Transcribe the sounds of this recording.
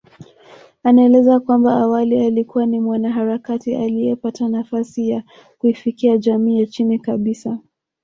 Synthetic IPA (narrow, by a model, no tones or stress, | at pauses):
anaɛlɛzakwambaːwalialikuwanimwanaɦaɾakatialijɛpatanafasija | kuifikiad͡ʒamiːjat͡ʃinikaɓisa